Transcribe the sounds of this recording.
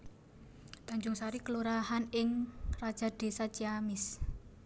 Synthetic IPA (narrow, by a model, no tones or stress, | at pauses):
d̪̥a̤ɲd͡ʒʊŋsaɾikəluɾahanɪŋrad̥ʒ̥a̤d̪̥e̤sat͡ʃiamɪs